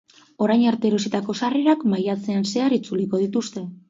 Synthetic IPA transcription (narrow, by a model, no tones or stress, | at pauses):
o̞ɾajɲaɾt̪e̞ɾo̞sit̪ako̞sareɾakmajat͡se̞anse̞aɾit͡suliko̞ð̞it̪ust̪e̞